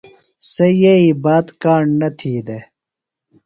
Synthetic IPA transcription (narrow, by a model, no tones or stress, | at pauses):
sejeibaːt̪kaːɳɖnɐt̪ʰiːd̪e